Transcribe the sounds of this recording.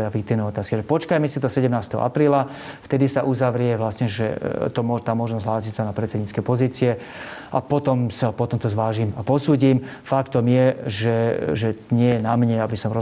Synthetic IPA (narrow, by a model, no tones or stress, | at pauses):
ɛfɛik̚t̪iːʊnɛjɔt̪aːskiʒɛpɔt͡ʃkajmɛsit̪ɔsɛɟɛmnaːst̪ɛɦɔ̰ʔa̰pɾiːla | ft̪ɛd̪isaʔuzaʋɾɪɛʋlasɲɛʒɛ̰t̪ɔmʊɔʒt̪aːmɔʒnɔzɦlaːsicsanapɾɛt͡sɛd̪ɲiːt͡sskɛjpɔziːt͡siɛ | ʔapɔt̪ɔmsapɔt̪ɔmt̪ɔzʋaːʒimapɔsuːɟim | fakt̪ɔmjɛʒɛʒɛɲɪɛjɛnamɲɛabisɔmɾɔ